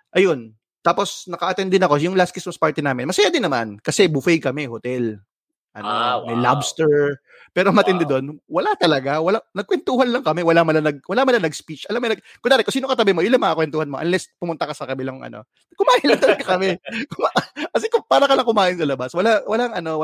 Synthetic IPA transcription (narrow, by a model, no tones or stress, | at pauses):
ʔɐjon | t̪aːpo̞snɐkɐʔɐt̪ɛnd̪ɪnɐko̞jʊŋlast̪kɪsmɐspaɹt̪ɪnaːmɪnmɐsɐjaːd̪ɪnːɐma̰nkɐsɛbufɛjkɐmɛhot̪ɛl | ʔɐ̰nomɐjla̰bst̪ɛɹ | pɛːɾomɐt̪ɪnd̪ɛd̪o̞nwɐlat̪ɐlɐɡawɐlanɐɡ̚kwɛnt̪uːhɐnlɐŋkɐmɛwɐlamɐlanɐɡ̚wɐlamɐlanɐɡspit͡ʃʔɐlamojnɐɡkʊŋd̪aːɾɛkʊsiːnokɐt̪ɐbɪmo̞jʊnlɐŋmɐŋakwɛnt̪uːhɐnmo̞ʔɐ̰nlɛspʊmʊnt̪ɐkɐsɐkɐbɪlɐŋʔɐ̰no̞̰ | ɐkʊmaːʔɪnlɐŋt̪ɐlɐɡakɐmɛkʊmakɐs̬ɛkʊpaːɾɐkɐlɐŋkʊmaːʔɪnsɐlɐbaswɐlawɐlaŋɐno̞w